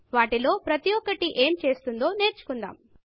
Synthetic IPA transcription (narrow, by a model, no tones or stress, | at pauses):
ʋaːʈilo̞ːpɾɐt̪ijɔkːɐʈiʔe̞ːmt͡ʃe̞ːst̪und̪o̞ːne̞ːɾt͡ʃu̥kund̪a̰ːm